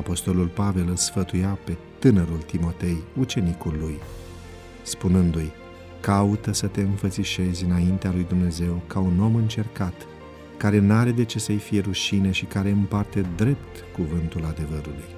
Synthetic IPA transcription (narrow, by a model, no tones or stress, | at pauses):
apo̞st̪o̞lulpave̞lɨlsfət̪ujape̞t̪ɨnəɾult̪imo̞t̪e̞jut͡ʃe̞nikulːuj | spunɨnd̪uj | kaut̪əsət̪e̞ɨnfət̪siʃe̞zʲɨnaint̪ealujd̪umne̞ze̞wkauno̞mɨnt͡ʃe̞rkat̪ | kaɾe̞naɾe̞d̪e̞t͡ʃe̞səjfije̞ɾuʃine̞ʃikaɾe̞ɨmpart̪e̞d̪ɾe̞pt̪kuvɨnt̪ulad̪e̞vəɾuluj